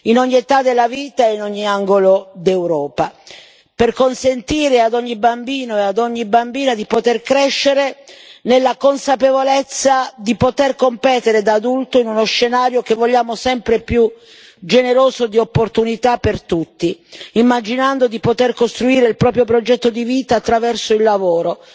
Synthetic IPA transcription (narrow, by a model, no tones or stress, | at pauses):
inɔɲːiet̪ad̪elːaviːt̪aeinɔɲːiaŋɡolod̪ewɾɔːpa | perkonsent̪iːɾead̪ɔɲːibambiːnoead̪ɔɲːibambiːnad̪ipot̪erkɾɛʃːeɾenelːakonsapevolet̪sːad̪ipot̪erkompɛːt̪eɾed̪aːd̪ult̪oinunosːenaːɾjok̟evːoʎːaːmosɛmpɾepju | d͡ʒeneɾoːzod̪iopːort̪unit̪apːert̪ut̪ːiimːad͡ʒinand̪od̪ipot̪erkost̪ɾuiːɾeilpɾɔːpɾjopɾod͡ʒɛt̪ːod̪iviːt̪aːt̪ːɾavɛrsoilːavoːɾo